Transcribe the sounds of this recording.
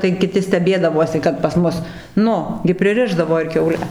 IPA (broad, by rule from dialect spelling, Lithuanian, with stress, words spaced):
tɐɪ kʲɪˈtʲɪ sʲtʲɛˈbʲeːdɐʋuɔsʲɪ kɐt pɐs ˈmʊs ˈnʊ ɡʲɪ pʲrʲɪˈrʲɪʒdɐʋoː ɪr kʲɛʊˈlʲɛ